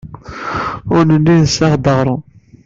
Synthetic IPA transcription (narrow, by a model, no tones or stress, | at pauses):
ʊɾnəlːinsæʁd̪əʁɾˤu